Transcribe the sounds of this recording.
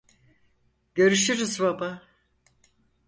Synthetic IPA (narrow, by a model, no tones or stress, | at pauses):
ɟø̞ɾyʃyɾyzbaba